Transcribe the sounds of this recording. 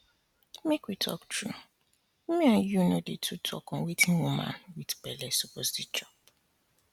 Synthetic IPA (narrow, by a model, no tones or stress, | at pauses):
mekwitʰɔ̰ktʰɹu | mẽãjunodetʰutʰɔ̰kɔ̃nwetʰĩnwumã̰nwidbɛlɛsoposdit͡ʃɔp̚